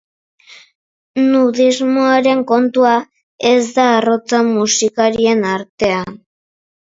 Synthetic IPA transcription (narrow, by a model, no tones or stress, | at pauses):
nuðizmoaɾe̞ŋko̞nt̪ua | e̞zd̪aːro̞t͡samusikaɾie̞naɾt̪e̞an